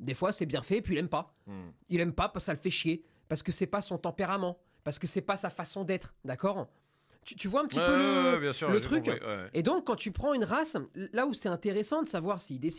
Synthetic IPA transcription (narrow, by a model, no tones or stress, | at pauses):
d̪efwasɛbjɛ̃fɛpɥilɛmpa | ilɛmpapaʁsə̥alfɛʃje | paʁsə̥kəsɛpasɔ̃t̪ɑ̃peʁamɑ̃ | paʁsə̥kəsɛpasafasɔ̃d̪ɛt̪χd̪akɔːʁ | t̪yt̪yvwaɛ̃pət̪ipøbjɛ̃syʁlət̪χyked̪ɔ̃kːɑ̃t̪ypχɑ̃ynʁaslausɛt̪ɛ̃t̪eʁesɑ̃d̪əsavwaʁsiːd̪es